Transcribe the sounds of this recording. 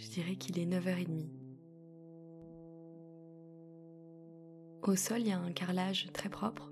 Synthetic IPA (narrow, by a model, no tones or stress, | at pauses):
ʒəd̪iʁɛkʰilɛnəvœʁed̪mi | osɔlijaɛ̃kaʁlaʒt̪χɛpχɔpχ